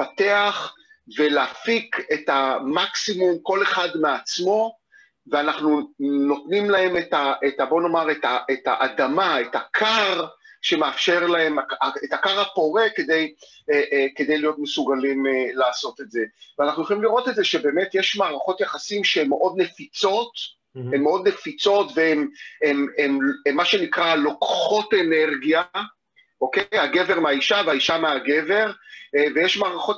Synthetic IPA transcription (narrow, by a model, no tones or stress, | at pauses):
ate̞aχ | ve̞leafike̞tamaksimumko̞le̞χadmeat͡smo̞ | veanaχnuno̞tnimlae̞metaʔetabo̞nomaʁetaʔeta̰ʔadamaetakʰaʁʃe̞meafʃe̞ʁlae̞maaetakaʁhapo̞ʁe̞ked̪e̞j | ʔke̞d̪e̞jlijo̞t̪mesuɡalimlaːso̞t̪etze̞veanaχnujoχolimliʁo̞t̪etzeʃe̞be̞ːmetjeʃmaːʁaχo̞t̪jaχasimʃee̞mːeʔo̞d̪̚ne̞fit͡so̞t | e̞mːeo̞d̪ne̞fit͡so̞tveemememeːaʃe̞nikʁalo̞kχo̞tene̞ʁɡija | ʔokejaɡe̞veʁmeaiʃaveaiʃameaɡe̞ve̞ʁvejeʃmaːʁaχo̞t